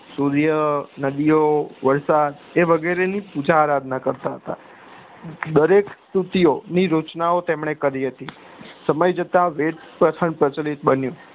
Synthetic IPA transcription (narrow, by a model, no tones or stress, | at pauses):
suɾjənəd̪ijoʋəɾsad̪eʋəɡeɾenipud͡ʒaːɾad̪ʱnakəɾt̪aɦət̪a̰ | d̪əɾekst̪ut̪ijoniɾut͡ʃnaot̪emɳekəɾiɦət̪i | səməjd͡ʒət̪ãʋeʈpɾət̪ʰəɳpɾət͡ʃəlit̪̚bənjũ